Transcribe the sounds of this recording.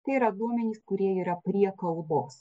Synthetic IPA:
t̪ɐɪiːɾɐd̪uɔmʲɛnʲiːskʊɾʲiɛiːɾɐpʲɾʲiɛkɐlˠboːs

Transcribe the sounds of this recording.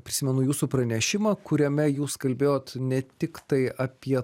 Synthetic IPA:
pʲɾʲɪsʲɪmʲɛnʊjuːsuːpɾɐnʲɛʃʲɪmɑːkʊɾʲɛmʲɛjuːskɐlʲbʲeːjoːt̪nʲɛt̪ʲɪkt̪ɐɪɐpʲiɛ

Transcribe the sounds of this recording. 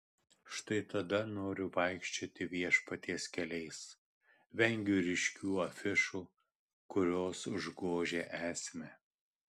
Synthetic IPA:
ʃt̪ɐɪt̪ɐd̪ɐnoːɾʲʊʋɐɪkʃʲt͡ʃʲoːt̪ʲɪʋʲiɛʃpɐt̪ʲeːskʲɛlʲɛɪs | ʋʲɛŋʲɡʲʊɾʲɪʃʲkʲuːɐfʲɪʃuː | kʊɾʲoːsʒɡoːʒʲeːʔæːsʲmʲɛ

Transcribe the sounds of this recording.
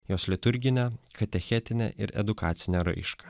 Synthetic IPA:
joːslʲɪt̪ʊɾʲɡʲɪnʲɛxɐt̪ʲɛxʲɛt̪ʲɪnʲɛ̰ʔɪ̰ɾɛ̰d̪ʊkɑːt̪sʲɪnʲɛɾɐ̰ɪʃkɐ

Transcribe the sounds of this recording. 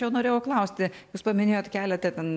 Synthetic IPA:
jɛʊnoːɾʲeːjɛʊklˠɐʊsʲt̪ʲɪjuːspɐmʲɪnʲeːjoːt̪kʲæːlʲɛt̪ʲɐt̪ʲɛn

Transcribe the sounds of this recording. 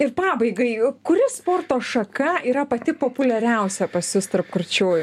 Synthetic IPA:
ɪrpɑːbɐɪɡɐɪkʊɾʲɪspoːrt̪oːʃɐkɐiːɾɐpɐt̪ʲɪpoːpʊlʲɛɾʲɛʊsʲɛpɐsʲʊst̪ɐrpkʊrʲt͡ʃʲoːjʊ

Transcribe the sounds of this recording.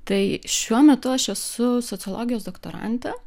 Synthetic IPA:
t̪ɐɪʃʲuɔmʲɛt̪ʊɐʃɛsʊsot̪sʲɨɔlˠoːɡʲɪjoːsd̪okt̪o̰ɾɐ̰nʲt̪ʲɛ

